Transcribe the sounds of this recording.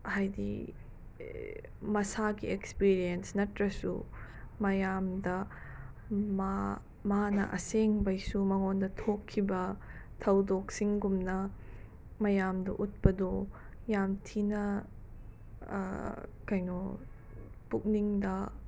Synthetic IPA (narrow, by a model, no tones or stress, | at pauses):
hajdḭ | mɐsaɡiekspiɾijensnɐtɾɐsṵmɐjamdɐ | ma | manɐ̰ʔɐ̰seŋbɐjsumɐŋondɐtʰokʰːibɐ | tʰɐwdok̚siŋɡumnɐ | mɐjamdɐʔut̚pɐdo | jamtʰinɐ | kajno | puk̚niŋdɐ